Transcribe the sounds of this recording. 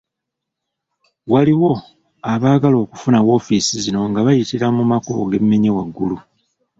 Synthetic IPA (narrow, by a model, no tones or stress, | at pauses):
waliwo̞ | aβaːɡalo̞ːkufunawo̞ːfisizino̞ŋɡaβajitiɾamumako̞̰ɡe̞mːeɲewaɡːulu